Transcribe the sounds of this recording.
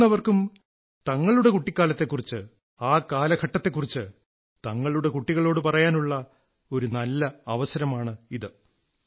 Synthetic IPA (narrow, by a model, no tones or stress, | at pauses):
ɐʋɐrkum | t̪ɐŋːɐɭuɽe̞kuʈːikʲːaːlɐt̪ːe̞kːurit͡ɕːɨ | aːkːaːlɐɡʰʱɐʈːɐt̪ːekːurit͡ɕːɨ | t̪ɐŋːɐɭuɽe̞kuʈːiɣɐɭo̞ːɽɨpɐrɐjaːnuɭːɐ | o̞ɾunɐlːɐɐʋɐsɐɾɐmaːɳɨiðɨ